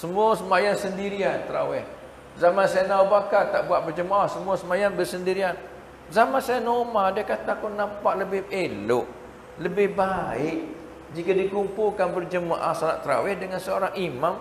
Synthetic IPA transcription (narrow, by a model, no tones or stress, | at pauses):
səmuasəmajansəndiɾiant̪əɾa̰wɛh | zamansajanawbakat̪aʔbuaʔ̪̚bərd͡ʒəmaʔahsəmuasəmajanbərsəndiɾian | zamansajanomadəkat̪akunampaʔləbɪhelʊ̰ʔ | ləbɪhbaɪʔ | d͡ʒikadikumpulkanbərd͡ʒəma̰ʔa̰hsala̰ʔt̪əɾa̰wɛhdəŋansəoɾaŋimam